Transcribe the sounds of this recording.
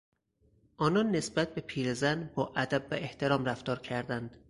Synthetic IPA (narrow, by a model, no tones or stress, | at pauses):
ʔɒːnɒnːe̞sbæt̪̚be̞pʰiːɾezænbɒːʔæd̪æbvæʔe̞ht̪ʰe̞ɾɒːmræft̪ɒːɾcʰæɾd̪ænd̪̥